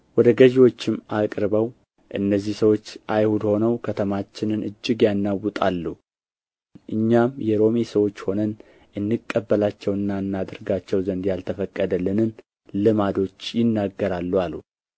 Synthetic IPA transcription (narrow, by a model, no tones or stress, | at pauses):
wɔd̪əɡəʒiwo̞t͡ʃːɪmːakʼɾɨβəw | ʔɨ̰nːəzːihsəwo̞t͡ʃːʔajhud̪ho̞nəwkʰət̪ʰəmat͡ʃːɪnɨnʔɨd͡ʒːɨɡjanːawːut̪ʼalːu | ʔɨɲːamjɛɾo̞mesəwo̞t͡ʃːho̞nən | ʔɨnːɨkʼːəbːəlat͡ʃːɛwɨnːaɨnːad̪ɨɾɡat͡ʃːɛwzənd̪jalt̪ʰəfəkʼːəd̪əlːɨnɨn | lɨmad̪o̞t͡ʃːjɪnːaɡːəɾalːualu